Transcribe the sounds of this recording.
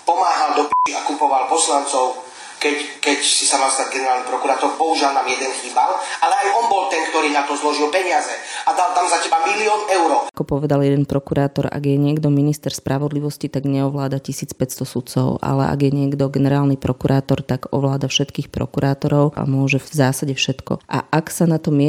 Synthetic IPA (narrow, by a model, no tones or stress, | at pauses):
pɔmaːɦald̪ɔpiʃiakupɔʋalpɔslant͡sɔʊ | kɛckɛcsisamalst̪aɟɡɛnɛɾaːlnipɾɔkuɾaːt̪ɔɾpɔuʒalnaːmjɛd̪ɛnxiːbalalɛajɔnbɔlt̪ɛnkt̪ɔɾiːnat̪ɔzlɔʒilpɛɲɪazɛad̪alt̪amzacɛbamiliɔːnɛʊɾɔakɔpɔʋɛd̪aljɛd̪ɛnpɾɔkuɾaːt̪ɔɾa̰ɡjɛɲɪɛɡd̪ɔminist̪ɛɾspɾʔaʋɔd̪liʋɔscit̪aɡɲɛɔʋlaːd̪acisiːt͡spɛst̪ɔsut̪t͡sɔ̰ʊʔa̰lɛ̰ʔa̰ɡjɛɲɪɛɡd̪ɔɡɛnɛɾaːlnipɾɔkuɾʔaːt̪ɔɾt̪aɡɔ̰ʋlaːd̪afʃɛt̪kiːxpɾɔ̰kuɾaːt̪ɔɾɔʊʔa̰mʊɔʒɛzaːsaɟɛfʃɛt̪kɔ̰ʔa̰ʔaksanat̪ɔmɪɛ